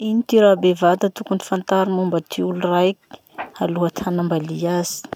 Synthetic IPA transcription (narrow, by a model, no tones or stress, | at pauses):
init̪iɾabevat̪at̪ukunifant̪aɾimumbət̪ʰiulurajki̥ | aluɦat̪ʰanambaliaz̥i̥